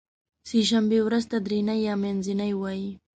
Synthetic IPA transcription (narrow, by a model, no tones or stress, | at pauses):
siːʃambɪwɾast̪ad̪ɾɪnajamenzɪnajwaj